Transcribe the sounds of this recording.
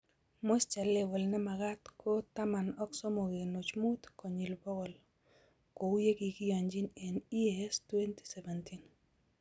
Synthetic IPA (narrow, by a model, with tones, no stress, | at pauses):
mo˦st͡ʃɛ˨le˨wɔ˨lnɛ˦ma˨ɡa˦t̪kʰot̪a˦ma˨nɔ˦ksɔ˦mo˨ɣe˨no˨t͡ʃmu˦t̪ko˨ɲi˨lbɔ˦wɔ˨l | ko˨wje˦ɡi˨ɡi˦ja˨ɲd͡ʒi˦nɛ˨ni˦ɛstwe˦nti̥˦sɛ˨vɛntin